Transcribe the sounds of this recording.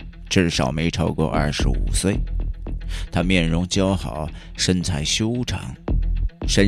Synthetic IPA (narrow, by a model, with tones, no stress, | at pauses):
ʈ͡ʂɻ̩˥˩ʂɑ˨˩ʊme˧˥ɪʈ͡ʂʰɑ˥ʊkwɔ̰˥˧ʔɐ̰˥˩ʂɻ̩˧˥ṵ˨˩swe˥˩ɪ | t̪ʰa˥mjɛ˥˩nɻʊ˧˥ŋt͡ɕjɑ˥ʊxɑ˨˩˦ʊ | ʂə˥nt͡sʰa˧˥ɪɕjo˥ʊʈ͡ʂʰɑ̰˧˥˦ŋ | ʂə˥n